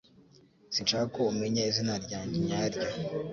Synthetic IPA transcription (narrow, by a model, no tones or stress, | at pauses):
sint͡ʃaːkakoumeɲaizinaɾɟaːɲɟeɲaɾɟa